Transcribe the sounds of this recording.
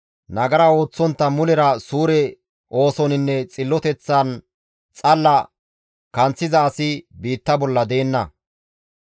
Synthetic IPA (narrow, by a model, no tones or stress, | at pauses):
nɐɡɐɾɐo̞ːt͡sːɔnt̪ːɐmʊlɛɾɐsuːɾɛ | ʔo̞ːsɔnɪnːɛt͡sʼɪlːɔt̪ɛt͡sːɐn | t͡sʼɐlːɐ | kɐnt͡sːɪzɐːsɪbiːt̪ːɐbɔlːɐd̪e̞ːnːɐ